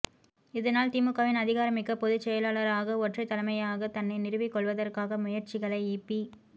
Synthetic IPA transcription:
ɪðɐnaːlt̪ɪmɯkːaːʋɪnɐðɪɣaːɾɐmɪkːɐpɔðɯt͡ʃɛjɐlaːɭɐɾaːɣɐɔʈrɐɪt̪ːɐlɐmɐjaːɣɐt̪ɐnːɐɪnɪrɯʋɪkːɔɭʋɐðɐrkaːɣɐmʊjɐɾt͡ʃɪɣɐɭɐɪiːpːi

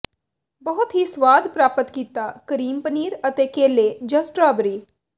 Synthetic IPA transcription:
bəɦʊt̪ɦisʋaːd̪pɾaːpət̪kiːt̪aːkəɾiːmpəniːɾət̪eːkeːleːd͡ʒəsʈɾaːbɾiː

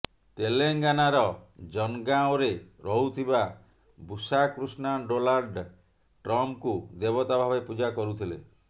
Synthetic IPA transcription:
t̪eleŋɡanaɾɔd͡ʒɔnɡaoɾeɾɔɦut̪ʰiba | busakɾusnaɖolaɾɖ | ʈɾɔmkud̪ebɔt̪abʱabepud͡ʒakɔɾut̪ʰilḛ

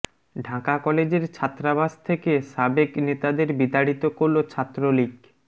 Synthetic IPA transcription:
ɖʱakakɔled͡ʑeɾt͡ɕʰat̪ːɾabaʃt̪ʰekeʃabeknet̪ad̪eɾbid̪aɽit̪okoɾlot͡ɕʰat̪ːɾolik

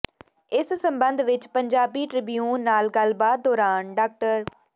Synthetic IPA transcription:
ɪssə̃mbənd̪ʋɪt͡ʃpəɲd͡ʒaːbiːʈɾɪbijuːnːaːlɡəlbaːt̪̚d̪ɔːɾaːnɖaːk̚ʈəɾ

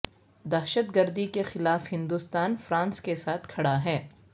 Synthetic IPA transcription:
d̪ɛɦʃət̪ɡəɾd̪ikexɪlaːfhɪ̃nd̪ust̪aːnfɾãːnskesaːt̪ʰkʰɐɽaɦɛː

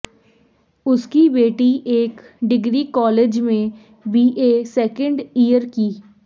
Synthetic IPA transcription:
ʊskibeːʈiʔeːk | ɖɪɡɾikɔːleːd͡ʒmẽ | biːʔeːsɛːkə̃ɳɖiːəɾkiː

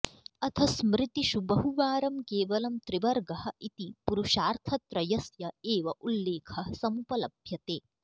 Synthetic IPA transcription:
ɐt̪ʰɐsmɾɪt̪iʃubɐɦuʋaːɾɐmkeːʋɐlɐmt̪ɾiʋɐɾɡɐɦɐ̆ʔit̪ipuɾuʃaːɾt̪ʰɐt̪ɾɐjɐsjɐeːʋɐʔulːeːkʰɐsɐmupɐlɐbʱjɐt̪eː

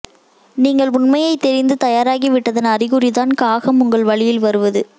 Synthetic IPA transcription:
niːŋɡɐɭʊɳmɐjɐɪt̪ːɛɾɪnd̪ɯt̪ɐjaːɾaːɣiʋɪʈːɐðɐnɐrɪɣɯrɪðaːnkaːɣɐmʊŋɡɐɭʋɐɭɪjɪlʋɐɾɯʋɐðɯ

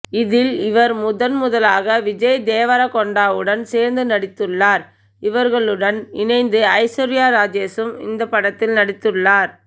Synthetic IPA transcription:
ɪðɪlɪʋɐɾmʊðɐnmʊðɐlaːɣɐʋɪd͡ʒɐjd̪eːʋɐɾakɔɳɖaːʋɯɽɐnseːɾnd̪ɯnɐɽɪt̪ːɯɭːaːɾ | ɪʋɐɾɣɐɭɯɽɐnɪnɐɪnd̪ɯɐɪsɔɾɪjaːɾaːd͡ʒeːsɯmɪ̰nd̪ɐpːɐɽɐt̪ːɪlnɐɽɪt̪ːɯɭːaːɾ

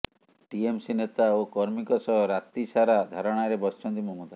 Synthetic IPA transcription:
ʈiemsinet̪aokɔɾmikɔsɔɦɔɾat̪isaɾad̪ʱaɾɔɽ̃aɾebɔst͡ʃʰɔnt̪imɔmud̪a

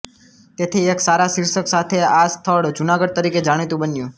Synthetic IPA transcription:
t̪et̪ʰieksaɾasiɾsəksat̪ʰeast̪ʰəɭd͡ʒunaɡəɖ̚t̪əɾiked͡ʒaɽ̃it̪ũbənjũ

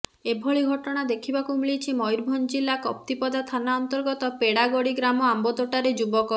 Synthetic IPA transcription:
ebʱɔɭiɡʱɔʈɔɽ̃ad̪ekʰibakumiɭit͡ʃʰimɔjɾbʱɔnd͡ʒilakɔp̚t̪ipɔd̪at̪ʰanaɔnt̪ɔɾɡɔt̪ɔpeɽaɡoɽiɡɾamɔambɔd̪oʈaɾed͡ʒubɔkɔ

